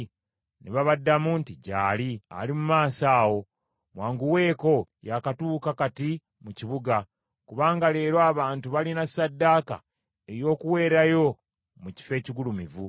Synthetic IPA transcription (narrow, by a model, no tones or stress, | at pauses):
neβaβadːamuntiɟaːlia̰limumaːsaːwo̞ | mwaːŋɡuwe̞ːko̞jakatuːkakati | muciβuɡa | kuβaːŋɡale̞ːɾwaːβaːntuβalinasadːaːka̰ | e̞ɾjo̞ːkuwe̞ːɾajo̞ | muci̥fe̞ːciɡulumivu